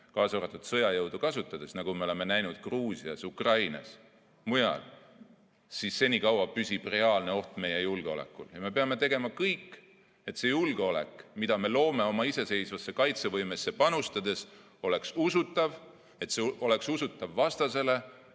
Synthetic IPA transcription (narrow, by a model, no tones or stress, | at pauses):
kɑːsoɾɑt̪ːˑud̪̥sɤ̞jɑjɤwd̪̥ukɑsut̪ːˑɑd̪̥e̞snɑɡ̥umele̞me̞næjnud̪̥̚kruːsiɑsukrɑjnɑ̰s | mujɑ̰l | sisːe̞nʲikɑwɑpysʲib̥re̞ɑːlne̞o̞ht̪me̞je̞julɡ̥eo̞lḛkːˑuljɑme̞peɑme̞t̪e̞ɡe̞mɑkɤjkː | e̞t̪se̞julɡ̥eo̞le̞̰kmid̪̥ɑme̞lo̞ːme̞o̞mɑise̞se̞jsvɑsːe̞kɑjt̪se̞vɤjme̞sːe̞pɑnust̪ɑd̪̥e̞s | o̞le̞ksusut̪ːˑɑv | e̞t̪seo̞le̞ksusut̪ːˑɑvːɑst̪ɑse̞le̞